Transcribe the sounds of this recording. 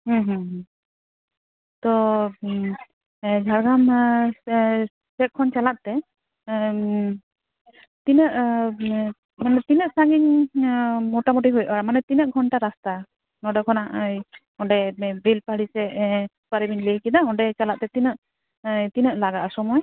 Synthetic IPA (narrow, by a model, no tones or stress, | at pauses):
ɦə̃ɦɦ | t̪ɔ | d͡ʒʱaɾɡam | sɛk̚kʰɔnt͡ʃalat̪̚t̪ɛ | t̪inəʔ | manɛt̪inəʔsaɡiɲ | mɔʈamɔʈiɦujʔamanɛt̪inəʔɡʱɔnʈaɾast̪a | nɔɖɛkʰɔnaʔj | ɔ̃ɖɛbʱilpaɽisɛ | paɾibinlijkid̪aɔɖɛt͡ʃalat̪̚t̪ɛt̪inəʔ | t̪inəʔlaɡaʔasɔmɔj